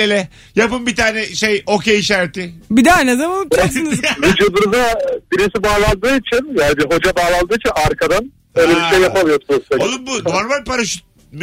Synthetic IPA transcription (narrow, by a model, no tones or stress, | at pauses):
elʲɛ | japɯmbit̪ʰaːnɛʃejokʰeiʃæɾt̪ʰɪbid̪anezamanipt͡ʃksɯnɯzbid͡ʒɯb̪ɾuzabiɾisibaːlˠand̪ɯːit͡ʃʰinjaːnibiɦo̞d͡ʒabaːlˠanld̪ɯːit͡ʃʰinaɾkʰad̪an | øjlʲɛbiʃejːapʰamijoɾɾsaolˠunbunonbal̚paɾaʃyt̪̚ | m